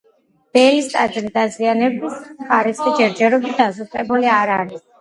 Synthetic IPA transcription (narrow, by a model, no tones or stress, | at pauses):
b̥ɛlist̪ʼad͡ʒɾid̪azianɛbisχaɾisχid͡ʒɛɾd͡ʒɛɾɔbit̪̚d̪asut̪ʼɛbuliaɾaɾis